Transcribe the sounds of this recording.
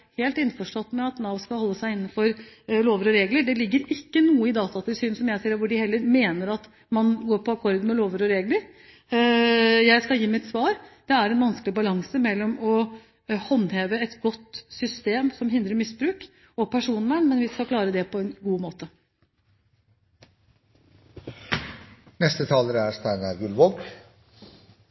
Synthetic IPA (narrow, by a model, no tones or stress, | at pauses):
heːlt̪ɪnːfɔʂʈɔt̪ːmɛɑt̪nɑʋskɑlhɔlːəsæɪɪnːən̩fɔɾloːʋəɾɔɾeːɡləɖɛlɪɡːəɾɪkːənuːəɪd̪ɑːt̪ɑt̪ʰɪlsyːnsɔmjæɪsiːɾʋʊɖɪhɛlːəɾmeːnəɾɑt̪ | mɑnɡoːɾpʰɔɑkʰɔɾd̪mɛloːʋəɾɔɾeːɡləɾ | jæɪskɑljiːmɪt̪sʋɑːɾd̪̥ɛæɾɛnʋɑnsklɪbɑlɑŋsəmɛlːɔmɔ | hɑnːheːʋəɛt̪ɡɔt̪ːsʏst̪eːmsɔmɦɪnd̪ɾəɾmɪsbɾʉːk | ɔpʰæʂuːnʋɛnmɛnʋɪskɑkʰlɑːɾəd̪ɛpʰɔɛnɡuːmoːt̪ə | nɛst̪ət̪ʰɑːləɾəæst̪æɪnɑɡʉlʋoɡ